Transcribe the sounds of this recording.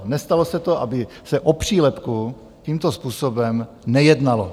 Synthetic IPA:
nɛst̪alosɛt̪o̞ʔa̰bɪ | sɛʔopr̝̥iːlɛpku | ciːmt̪ospuːsobɛm | nɛjɛdnalo

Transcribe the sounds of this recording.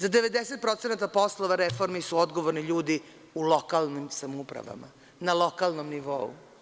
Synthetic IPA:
zad̪e̞ʋe̞d̪ese̞t̪̚pɾo̞t̪senat̪apo̞slˠoʋaɾefo̞ɾmisuod̪ɡoʋoɾniʎuːd̪i | ulokalˠnimsamupɾa̰ʋa̰ma̰ | nalˠo̞kalˠnomniʋo̞ṵ

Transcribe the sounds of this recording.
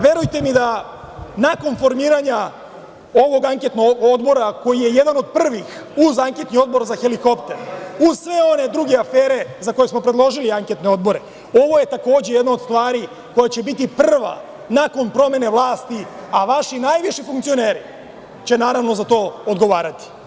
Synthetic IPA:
ʋje̞ɾujt̪e̞mid̪a | nako̞nfo̞ɾmiːɾaɲa | o̞ʋo̞ɡaŋket̪noɡod̪bo̞ɾako̞jijejed̪ano̞d̪̚pr̩ʋixuzaŋke̞t̪nio̞d̪bo̞ɾzaxeliko̞pt̪eɾusʋe̞o̞ne̞d̪ɾuɡeafeːɾe̞zako̞jesmo̞pɾe̞d̪lˠo̞ʒiliaŋket̪neo̞d̪bo̞ɾe | o̞ʋo̞je̞t̪ako̞ːd͡ʑejed̪naod̪st̪ʋaːɾi | ko̞jat͡ɕe̞bit̪ipr̩ʋa̰ | nako̞npɾo̞me̞neʋlˠaːst̪iaʋaʃinajʋiʃifuŋkt̪sio̞neːɾi | t͡ɕe̞naːɾaʋno̞zat̪o̞ːod̪ɡo̞ʋaːɾat̪i̥

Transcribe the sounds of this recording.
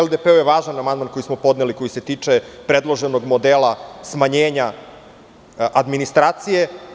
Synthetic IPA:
eld̪epeujeʋaːʒanamand̪manko̞jismo̞po̞d̪neliko̞jiset̪iːt͡ʂe̞pɾe̞d̪lˠoʒe̞noɡmo̞d̪elasmaɲeːɲa | ʔad̪minist̪ɾaːt̪sije̞

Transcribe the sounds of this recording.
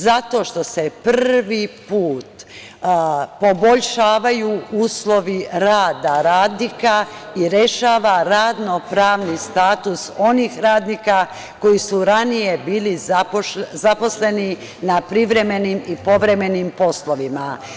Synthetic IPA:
zat̪o̞ːʃt̪o̞se̞prʋipuːt̪ | po̞boʎʃaːʋajuuːslˠo̞ʋiɾaːd̪aɾaːd̪niːkaiɾe̞ʃaːʋaɾaːd̪no̞pɾaːʋnist̪aːt̪uso̞niːxɾaːd̪nika | ko̞jisuɾanije̞biːliapozapo̞sle̞ni | napɾiʋɾe̞me̞nimipo̞ʋɾe̞me̞nimpo̞sloʋima

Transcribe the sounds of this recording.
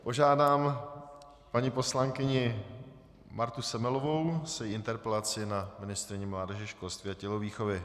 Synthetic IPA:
po̞ʒaːdaːm | paɲipo̞slaŋkɪɲɪ | maɾt̪usɛmɛlovo̞wsɛjʔɪnt̪ɛɾpɛlat͡sɪnamɪnɪst̪ɾɪɲɛmlaːdɛʒɛʃko̞lst̪viːacɛloviːxovɪ

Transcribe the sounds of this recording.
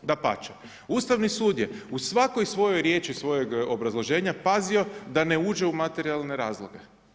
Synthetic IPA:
d̪apa̰t͡ʃa | uːst̪aʋnisuːd̪jeusʋako̞jsʋo̞jojɾje̞ːt͡ʃisʋo̞je̞ɡobɾazlˠo̞ʒe̞ːɲapazio̞d̪ane̞uːd͡ʒe̞umat̪e̞ɾialˠne̞ɾaːzlˠoɡe̞̰

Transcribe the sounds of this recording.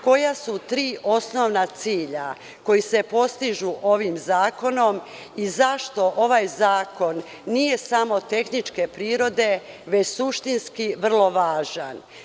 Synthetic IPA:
ko̞jasut̪ɾiːʔo̞sno̞ʋnat̪siːʎa | ko̞jise̞po̞st̪iʒuʔo̞ʋimzaːko̞no̞m | izaʃt̪o̞ʔo̞ʋaːjzaːko̞nː | ije̞samo̞t̪e̞xnit͡ʃke̞pɾiːɾo̞d̪e̞ | ʋe̞t͡ɕsuʃt̪inskiʋr̩lˠo̞ʋaːʒan

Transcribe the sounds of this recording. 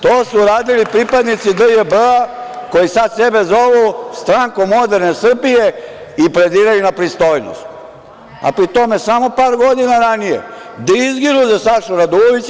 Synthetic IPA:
t̪oːsuɾaːd̪ilipɾipad̪nit̪sid̪əjəbako̞jisad̪se̞be̞zo̞ʋust̪ɾaːŋkomo̞d̪e̞ɾne̞sr̩bije̞ | ipɾe̞d̪iːɾajunapɾist̪o̞jno̰st̪ | a̰pɾit̪o̞me̞samo̞paːɾɡo̞d̪inaɾanijḛ | d̪aizɡinuzasaʃuɾad̪oʋit͡s

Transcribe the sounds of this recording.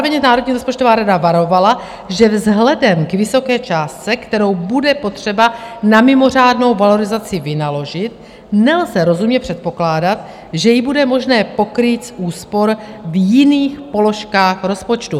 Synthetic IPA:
vɛɲɛnaːɾodɲiːɾo̞spot͡ʃt̪ovaːɾadavaɾo̞vala | ʒɛvzɦlɛdɛmkvɪso̞kɛːt͡ʃaːstt͡sɛkt̪ɛɾo̞wbudɛpo̞t̪r̝̥ɛbanamɪmo̞r̝aːdno̞wvalo̞ɾɪzat͡sɪvɪnalo̞ʒɪt̪ | nɛlzɛɾo̞zumɲɛpr̥ɛt̪̚po̞klaːdat̪ | ʒɛjɪbudɛmo̞ʒnɛːpo̞kɾiːt͡sʔuːspo̞ɾvjɪniːxpo̞lo̞ʃkaːxɾo̞spo̞t͡ʃt̪u

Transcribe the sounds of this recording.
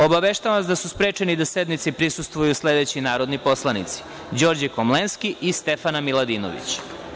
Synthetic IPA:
o̞baʋeʃt̪aʋaʋasd̪asuspɾeːt͡ʃenid̪ased̪nit̪sipɾisust̪ʋujusle̞d̪et͡ɕinaːɾod̪niposlˠanḭt̪si̥ | d͡ʑo̞ːɾd͡ʑikomlenskiʔist̪e̞fanamilˠad̪iːno̰ʋḭt͡ɕ

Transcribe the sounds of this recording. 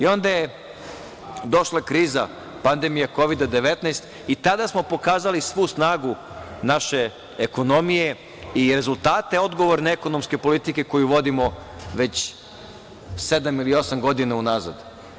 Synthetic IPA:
io̞nd̪aje | d̪o̞ʃlakɾiːza | pand̪emijako̞ʋid̪ad̪e̞ʋe̞t̪najst̪ | it̪ad̪asmo̞po̞kaːzalisʋusnaːɡu | naʃe̞ː | ko̞no̞mije̞ | iɾe̞zulˠt̪aːt̪e̞o̞d̪ɡo̞ʋo̞ɾneeko̞no̞mske̞po̞lit̪ike̞ko̞juʋo̞d̪imoʋe̞t͡ɕ | se̞d̪amilio̞samɡo̞d̪inaunaza̰d̪

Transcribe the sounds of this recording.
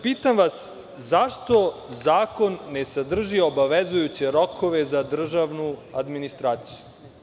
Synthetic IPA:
piːt̪amʋas | zaʃt̪o̞zaːko̞nːesad̪r̩ʒiobaʋezujut͡ɕeɾokʰo̞ʋezad̪r̩ʒaʋnuad̪minist̪ɾaːt̪si̥ju

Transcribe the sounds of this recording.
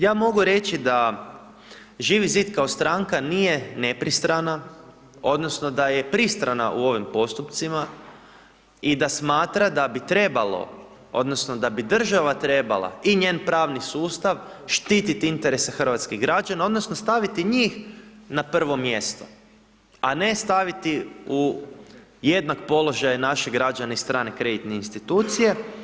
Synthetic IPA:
jaːmo̞ɡuɾe̞t͡ʃid̪a | ʒiːʋiziːd̪kaost̪ɾaŋkaniːje̞ne̞pɾist̪ɾana | o̞d̪no̞sno̞d̪aje̞pɾist̪ɾana̰ʔuo̞ʋimpo̞st̪upt̪sima | id̪asmaːt̪ɾad̪abit̪ɾe̞balo̞̰ | o̞̰d̪nosnod̪abid̪r̩ʒaʋat̪ɾe̞ba̰lˠa̰iɲe̞ːnpɾaːʋnisuːst̪aʋʃt̪iːt̪it̪iint̪eɾe̞sexr̩ʋat̪skiɣɡɾad͡ʒanao̞d̪nosnost̪aʋit̪iɲiːxnapr̩ʋo̞mje̞st̪o̞̥ | ane̞st̪aʋit̪iu | je̞d̪nakpo̞lo̞ʒajnaʃeɡɾad͡ʒanaist̪ɾaːne̞kɾe̞d̪it̪neinst̪it̪uːt̪sije̞

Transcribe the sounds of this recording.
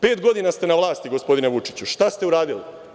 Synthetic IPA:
pe̞ːt̪ɡo̞d̪inast̪e̞naʋlˠaːst̪iɡo̞spo̞d̪ineʋut͡ʃit͡ɕuʃt̪ast̪e̞uɾaːd̪ilḭ

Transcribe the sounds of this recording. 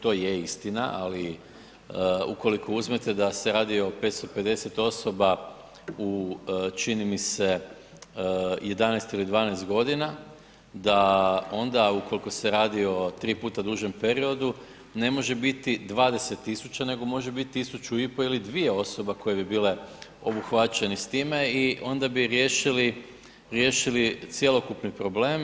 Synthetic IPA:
t̪o̞ːjeist̪inaʔa̰li | uko̞likʰo̞uzmet̪e̞d̪aseɾaːd̪io̞pe̞t̪st̪ope̞d̪e̞se̞t̪o̞so̞ba | ut͡ʃinimise̞ | je̞d̪anajst̪ilid̪ʋaːnajst̪ɡo̞d̪ina | d̪ao̞nd̪auko̞liko̞seɾaːd̪io̞t̪ɾiːpuːt̪ad̪uːʒe̞mpe̞ɾio̞d̪u | ne̞mo̞ʒe̞bit̪id̪ʋaːd̪e̞se̞t̪ːisut͡ɕane̞ɡo̞mo̞ʒebit̪ːisut͡ʃuipo̞ilid̪ʋije̞o̞so̞bako̞je̞bibile̞o̞buxʋat͡ʃe̞nist̪iːme̞iʔo̞nd̪abiɾjeʃili | ɾje̞ːʃilit̪sjelo̞kupnipɾo̞bleːm

